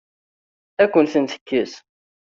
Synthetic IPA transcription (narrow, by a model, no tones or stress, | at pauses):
ækʷːənθənθə̥kːəs